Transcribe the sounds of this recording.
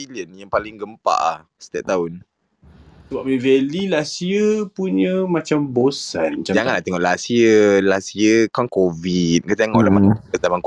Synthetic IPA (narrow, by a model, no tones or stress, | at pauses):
iliənjaŋpalɪŋɡəmpa̰ʔah | sə̥t̪ɛʔt̪aʊn | səbap̚ivelilasiəpuɲə̃mãt͡ʃambosanat͡ʃad͡ʒaŋanlaʔt̪ɛŋɔʔlasiəlasiəkɔnkovit̪̚kət̪eŋɔ̰ʔlamakət̪amank